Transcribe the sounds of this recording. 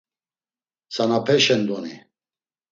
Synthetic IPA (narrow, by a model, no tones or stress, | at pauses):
sanapʰɛʃɛnd̪ɔni